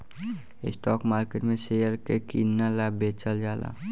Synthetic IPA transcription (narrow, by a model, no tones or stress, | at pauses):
ɪ̰sʈɔːkmaːɾkeʈmẽsejəɾkekinːalabeːt͡ʃəld͡ʒaːla̰ː